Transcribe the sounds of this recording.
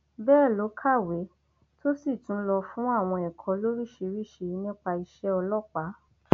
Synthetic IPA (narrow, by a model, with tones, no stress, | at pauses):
bɛː˦˨lo˨˦kʰa˦˨we˨˦ | to˦si˦˨tũ˨˦lɔ˧fũ˦a˦˨w̃ɔ̃˧ɛ˨kʰɔ̃˨˧˦lo˦ɾi˦˨ʃe˧ɾi˦˨ʃe˧nĩ˦k͡pa˧i˧ʃɛ˦ɔ˧lɔ˦k͡pa˨˦